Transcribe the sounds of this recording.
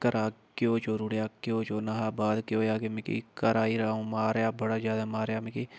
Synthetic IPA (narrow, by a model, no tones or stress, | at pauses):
kəɾaːkjoːt͡ʃoːɾʊɽjaːkjoːt͡ʃoːnaɦaːbaːd̪kjoːjaːkemɪ̃kḭkəɾaːiːɾaõːmaːɾjaːbəɽaːzjaːd̪amaːɾjaːmẽki